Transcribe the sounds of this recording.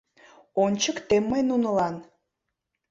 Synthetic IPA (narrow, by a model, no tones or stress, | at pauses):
onʲt͡ɕəkt̪emːəjnunəlɑn